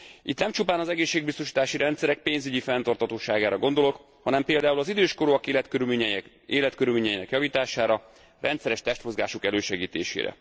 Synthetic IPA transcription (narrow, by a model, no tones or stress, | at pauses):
ḭt̪nɛmt͡ʃupaːnɒzɛɡeːʃːeːɡ̚bist̪o̞ʃi̥ːt̪aːʃiɾɛnt̪sɛɾɛk̚peːnzyɟifɛnt̪ɒrt̪hɒt̪oːʃaːɡaːɾɒɡo̞nd̪o̞lo̞k | hɒnɛmpeːld̪aːulɒzid̪øːʃko̞ɾoɒk̪øm | eːlɛt̪køɾylmeːɲɛjinɛkjɒviːt̪aːʃaːɾɒ | rʔɛnt̪sɛɾɛʃt̪ɛʃt̪mo̞zɡaːʃukɛløːʃɛɡiːt̪ḛːʃḛːɾɛ̰